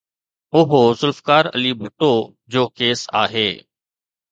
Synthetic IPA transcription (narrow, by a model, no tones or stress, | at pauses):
ʊɦozʊlfkaːɾə̰libʱʊʈo | d͡ʑoːkeːsa̰ːɦeː